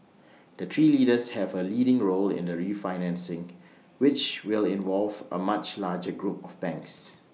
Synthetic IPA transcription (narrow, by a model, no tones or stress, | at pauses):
d̥ətʰɹiːlidəshɛvəlidɪ̃ŋɹolɪ̰̃ndəɹifaɪnɛ̃nsɪ̃ŋ | wɪt͡ʃwɪlɪ̃nvɔlvə̰mat͡ʃlad͡ʒəɡɹupɔvbɛ̃ŋks